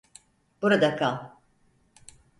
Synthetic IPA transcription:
b̥uɾad̪akʰalˠ

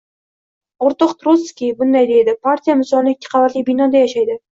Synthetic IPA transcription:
oɾt̪ɒqt̪ɾoskʲibʊnd̪ajd̪e̞jd̪ɪpʰaɾt̪ʰʲijamɪsɒlˠnɪɪkʲʰːɪ̥qʰɑlat̪lijbɪnɒd̪ajaʃajd̪ɪ

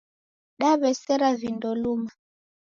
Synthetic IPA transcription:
ɗaβɛsɛɾavindɔluma

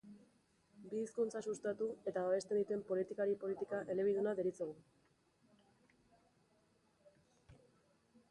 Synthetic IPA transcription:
biːskunt͡sasust̪at̪ue̞t̪aβaβe̞st̪e̞nd̪it̪e̞mpo̞lit̪ikaɾipo̞lit̪ikaʔe̞le̞β̞iðunaðeɾit͡seɣu

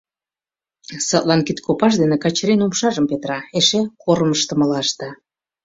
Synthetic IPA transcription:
sɑt̪lɑnkit̪kʰopɑʃ̬d̪enekɑt͡ɕɾinumʃɑʒəmpet̪ɾɑeʃekoɾməʃt̪ə̆mə̆lɑʃt̪ɑ

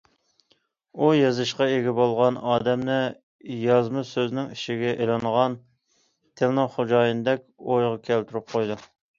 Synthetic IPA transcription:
ujɑzɨʃqɑeɡʲɛbolˠʁɑnɑːd̪ɛmnɪ | jɑzmɨsøznɪŋiʃiɡʲɛʔelˠɑŋʁɑn | t̪ʰelnɑχod͡ʒɑːjɨnd̪ɛkʲojʁɑkʲʰɛlt̪ʰyɾyp̚qʰojd̪u

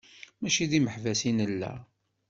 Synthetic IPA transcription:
mæʃiðiməħvæsinəlːæ̰

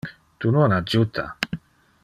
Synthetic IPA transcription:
t̪unonad͡ʒut̪a̰

